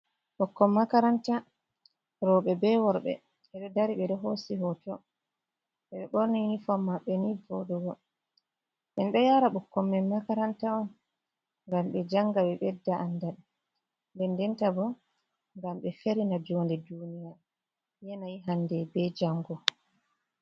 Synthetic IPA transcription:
ɓɔkːɔmːakaɾanta | ɾɔɓɛbɛwɔɾbɛ̰ | ɛɗɔdaɾiɓɛɗɔɦosiɦɔtɔ | ɓɛɓɛɓɔɾnijinifamːaɓːɛnivɔdɔɡɔ | ɓɛnɓɛjaɾaɓɔkːɔmːɛnmakaɾantaɔn | ŋɡamɓɛd͡ʒaŋɡaɓɛɓɛdːaʔandaɗɛ | ndɛndɛntabɔ | ŋɡamɓɛfeɾinad͡ʒondɛdunija | jɛnajiɦandɛbɛd͡ʒaŋɡɔ

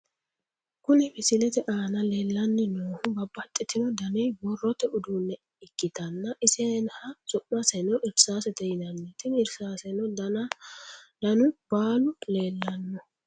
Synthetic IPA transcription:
kʊnɛmɪsɪlɛt̪ɛʔaːnɐle̞ːlːɐnːɛnoːhʊbɐbːɐt̪ʼːɪt̪ːɪnɔd̪ɐnɛjbɔrːɔt̪ɛʊd̪uːnːɛ | ɪkːɪt̪ɐnːɐʔɪsɛnhɐsɔʔmɐsɛnɔʔɪɾsaːsɛt̪ɛjɪnɐnːɛt̪ɪnɪɾsaːsɛnɔd̪ɐnɐ | dɐnʊb̥aːlʊleːlːɐnːɔ

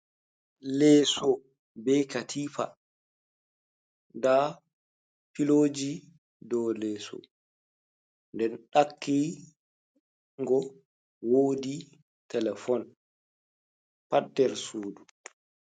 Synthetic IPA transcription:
lɛːsɔ | bɛjkatʰiːfa̰ | da | piloːd͡ʒi | dɔlɛːsɔ̰ | ndɛnɗakʰːi | ŋɡɔ | woːdi | tɛlɛfɔn | padːɛɾsoːdu

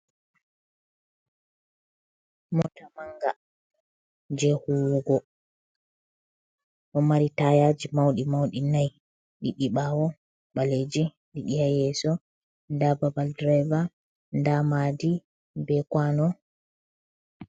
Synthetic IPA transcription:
mɔtamaŋɡa | d͡ʒɛhuwɡɔ | ɗɔmaɾitajad͡ʒimawɗimawɗinaj | ɗiɗiɓawɔ | ɓaled͡ʒi | ɗiɗijajɛsɔ | ndababaldɾɛva | ndamadi | bɛkwanɔ

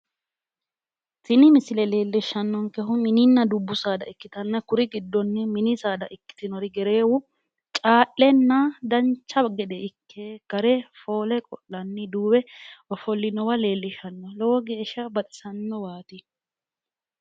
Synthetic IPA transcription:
t̪ɪnɪmɪsɪlɛle̞ːlːɪʃːɐnːɔŋkɛɦʊmɪnɪnːɐd̪ʊbːʊsaːd̪ɐ̰ʔɪkːɪt̪ɐnːɐkʊɾɪɡɪd̪ːɔnːɛmɪnɪsaːd̪ɐʔɪkːɪ̥t̪ɪnɔɾɪɡɛɾe̞ːwʊ | t͡ʃʼaːʔːɛnːad̪ɐnt͡ʃːɐɡɛd̪ɛɪkʰːeːɡ̥ɐɾɛfo̞ːlɛkʼɔlːɐnːɪd̪uːbɛɔfɔlːɪnɔwɐle̞ːlːɪʃɐnːɔlɔwɔɡe̞ːʃːɐbɐt̪ʼɪ̥sɐnːɔwaːt̪ɪ

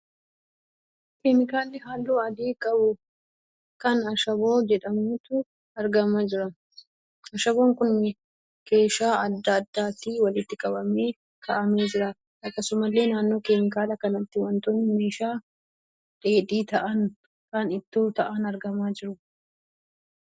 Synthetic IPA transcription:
keːmɪkaːlːɪɦaːlːoːɐd̪iːkʼɐbʊ | kɐnɐʃɐbo̞ːd͡ʒɛᶑɐmʊt̪ʊ | ɐɾɡɐmad͡ʒɪɾɐ | ɐʃɐbo̞ːŋkʊnːɪ | ke̞ːʃaːɐd̪ːɐːd̪ːaːt̪iwɐlɪt̪ːɪkʼɐbɐmeː | k̪ʰɐʔɐmeːd͡ʒɪɾɐ | ɐkːɐsʊmɐlːe̞ːnaːnːo̞ːkeːmɪkaːlɐkɐnɐt̪ːɪwɐnt̪onːɪmeːʃaː | ᶑʼe̞ːᶑ̪iːt̪ɐʔɐn | kɐnɪt̪ːuːt̪ɐʔɐnɐɾɡɐmaːd͡ʒɪɾʊ

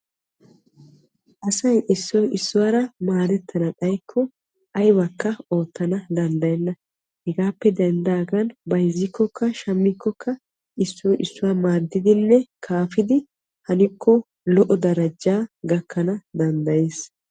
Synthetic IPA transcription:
ʔɐsɐjʔɪsːɔjɪsːʊwaːɾɐmaːɾɛt̪ʰːɐnɐkʼɐjkʰːɔ | ʔɐjbɐkːɐo̞ːt̪ːɐnɐd̪ɐnd̪ɐjɛnːɐ | hɛɡaːpːɛd̪ɛnd̪aːɡɐnbɐjzːɪkːɔkʰːɐʃɐmːɪkːɔkːɐ | ʔɪsːɔjʔɪsːʊwaːmaːɾd̪ːɪd̪ɪnːɛkʰaːfɪd̪ɪ | hɐnɪkʰːɔ | lɔʔɔd̪ɐɾɐd͡ʒaːɡɐkʰːɐnɐd̪ɐnd̪ɐje̞ːs

